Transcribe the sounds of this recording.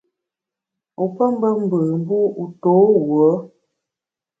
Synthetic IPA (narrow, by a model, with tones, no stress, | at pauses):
u˨pə˦m˦bə˦m̩˦bə˨m̩˦bu˦u˨to˨˦wwə˨˦